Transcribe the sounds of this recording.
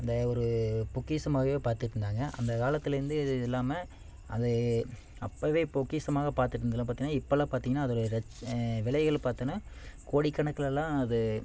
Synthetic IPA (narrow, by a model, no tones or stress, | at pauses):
ɐnd̪ɐɔɾɯpʊkːiːsɐmaːɣɐʋeːpaːɾt̪ɯʈːɯnd̪aːŋɡɐʔɐ̰nd̪ɐkaːlɐt̪ːɪlɪɾɯnd̪ɯɪlːaːmɐ | ʔɐðɯ | ɐ̰pːɐʋeːpʊkːiːsɐmaːɣɐpaːɾt̪ɯʈːɾɯnd̪ɐlːãːpaːɾiŋɡɐnːaːɪpːɐlaːpaːɾt̪iːŋɡɐnːaːɐðɔɽɯɾɛt͡ʃːʋɪlɐɪɣɐɭpaːɾt̪ɐna | koːɽikːɐɳɐkːɐɭɛlːãːɐðɯ